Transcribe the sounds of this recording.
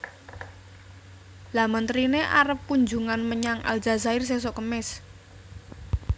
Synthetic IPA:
lamənt̪ɾineʔa̰ɾəpːuɲd͡ʒuŋanməɲaŋʔa̰ld͡ʒazaɪrs̬es̬ɔkəmɪs

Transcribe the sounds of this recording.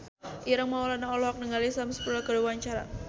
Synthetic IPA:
ʔiɾəŋmaɔlanaɔlɔɦak̚nəŋalisamsə̥puɾakəduwaɲt͡ʃaɾa̰

